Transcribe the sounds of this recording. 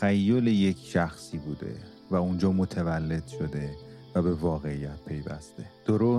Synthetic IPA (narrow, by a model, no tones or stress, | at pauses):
æjːoleje̞cʰʃæxsiːbuːd̪ḛ | væund͡ʒɒːmot̪ʰevælːe̞d̪̥ʃo̞d̪e̞væbe̞vɒːɣe̞ijæt̪̚pʰe̞jvæ̰st̪e̞d̪̥oɾoː